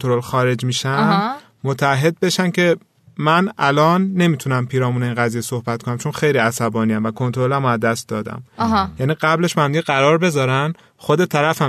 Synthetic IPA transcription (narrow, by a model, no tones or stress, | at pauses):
t̪oɾo̞lxɒːɾe̞d͡ʒmiːʃæn | mot̪ʰææɦːe̞d̪̚be̞ʃæncʰe̞ | mænælɒːnːe̞miːt̪ʰunæmpʰiːɾɒːmuːneinɣæziːjeso̞hbæt̪̚ko̞næmt͡ʃʰonxe̞jliæsæbɒːnijæmvækʰo̞nt̪ʰoɾolæmoæzd̪æst̪d̪ɒːd̪æ̰mjæːniːɢæble̞ʃbehæmd̪iɟeɣæɾɒːɾbe̞zɒːɾæn | xo̞d̪e̞t̪ʰæɾæfæ